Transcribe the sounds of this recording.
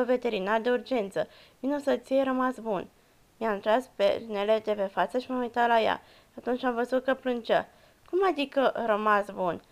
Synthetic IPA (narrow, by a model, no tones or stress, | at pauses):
ove̞t̪e̞ɾinad̪e̞urd͡ʒe̞nt̪sə | vinosət̪sijeɾəmasbun | miamnt̪ɾaspḛne̞le̞d̪e̞pe̞fat̪səʃimamujt̪at̪laja̰ | at̪unt͡ʃʲamvəzut̪̚kəplɨnt͡ʃə̰ | kumad̪ikəɾəmasbun